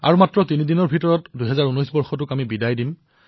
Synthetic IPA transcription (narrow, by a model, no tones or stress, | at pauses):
a̰ɹumatɹɔtinidinɔɹbʱitɔɹɔtdujɦɛzaɹunɔjsbɔɹxɔt̬ʊkamibidajdim